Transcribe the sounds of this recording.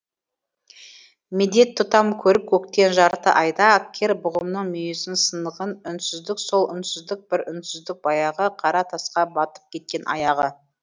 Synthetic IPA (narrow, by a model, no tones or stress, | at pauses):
mɪd̪e̞t̪ʰːʊt̪ɑmkʲʰɵɾɪp̚kʲʰɵkt̪e̞nʒɑɾt̪ə̰ʔɑjd̪ɑækkʲʰːe̞ɾbʊʁəmnəɴmʏjesɪnsənəʁənʏnsʏzd̪ɪkso̞lˠʏ̰nsʏzd̪ɪk̚bɪɾʏnsʏzd̪ɪk̚bɑjɑʁəqʰɑɾɑt̪ʰɑsqɑbɑt̪ə̥p̚kʲʰe̞t̪̚kʲe̞nʔɑ̰jɑʁə